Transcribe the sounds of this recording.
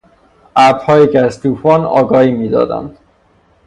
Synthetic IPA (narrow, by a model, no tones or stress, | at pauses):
ʔæɾbhɒːjiːcʰeæzt̪ʰuːfɒːnɒ̰ːɡɒːhiːmiːd̪ɒ̰ːd̪æ̰nd̪̥